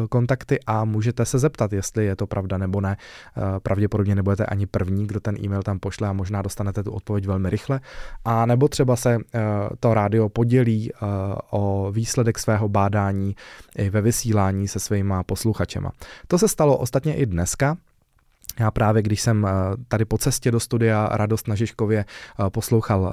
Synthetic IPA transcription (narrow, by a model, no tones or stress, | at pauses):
ko̞nt̪akt̪ɪʔamuːʒɛt̪ɛsɛzɛpt̪at̪jɛst̪lɪjɛt̪o̞pɾʔavdanɛbo̞nɛpɾʔavɟɛpodo̞bɲɛnɛbudɛt̪ɛʔa̰ɲɪpr̩vɲiːɡdot̪ɛnʔḭːmɛjlt̪ampo̞ʃlɛamoʒnaːdo̞st̪anɛt̪ɛt̪uʔot̪̚povjɛc̬vɛlmɪɾʔɪxlɛʔanɛbo̞t̪r̝̥ɛbasɛt̪o̞ɾaːdɪo̞po̞ɟɛliːʔoviːslɛdɛksvɛːɦo̞baːdaːɲiːʔɪvɛvɪsiːlaːɲiːsɛsvɛːmapo̞sluxat͡ʃɛ̰mʔa̰t̪o̞sɛst̪aloʔost̪at̪ɲɛʔɪdnɛska | jaːpɾaːvjɛɡdɪʃsɛmt̪adɪpo̞t͡sɛscɛdo̞st̪udɪjaɾʔadost̪naʒɪʃko̞vjɛpo̞slo̞wxal